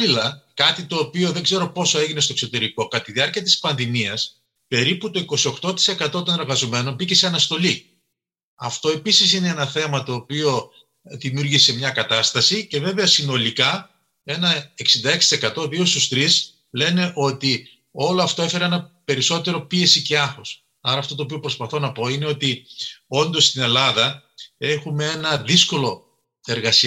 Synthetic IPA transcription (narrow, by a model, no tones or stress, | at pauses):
lilɐkɐt̪it̪o̞ːpio̞ðe̞ɡze̞ɾo̞po̞so̞e̞ʝinest̪o̞ekso̞t̪e̞ɾiko̞kɐt̪iðiɐɾciɐt̪i̥spɐnðimiɐs | pe̞ɾiput̪o̞iko̞sio̞xt̪o̞t̪i̥se̞kɐt̪o̞t̪o̞ne̞ɾɣɐzo̞me̞no̞mbice̞seɐnɐst̪o̞li | ɐft̪o̞e̞pisisineenɐθe̞mɐt̪o̞ːpio̞ | ðimiuɾʝise̞mɲɐkɐt̪ɐst̪ɐsice̞ve̞veɐsino̞likɐ | e̞nɐe̞ksind̪ɐe̞ksi̥t̪isekɐt̪o̞ðiost̪ust̪ɾis | le̞ne̞ʔo̞t̪i | o̞loɐft̪o̞e̞fe̞ɾɐenɐpe̞ɾiso̞t̪e̞ɾo̞pie̞siceɐxos | ɐɾɐːft̪o̞t̪oːpio̞pɾo̞spɐθo̞nɐpo̞ine̞o̞t̪io̞nd̪o̞st̪ine̞lɐðɐe̞xumee̞nɐðisko̞lo̞ | e̞ɾɣɐsi